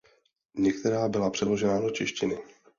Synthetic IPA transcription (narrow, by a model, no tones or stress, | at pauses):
ɲɛk̚t̪ɛɾaːbɪlapr̥ɛdlo̞ʒɛnado̞t͡ʃɪʃcɪnɪ